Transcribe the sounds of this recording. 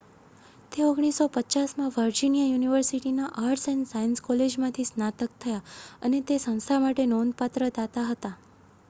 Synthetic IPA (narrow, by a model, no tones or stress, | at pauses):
t̪eoɡɽ̃isopətːt͡ʃasmãʋəɾd͡ʒinijajuniʋəɾsiʈinaʔaɾsẽnsajənskɔled͡ʒmãt̪ʰisnat̪ək̚t̪ʰəjaənet̪esə̃w̃st̪ʰamaʈenɔnpat̪ɾəd̪at̪aɦət̪a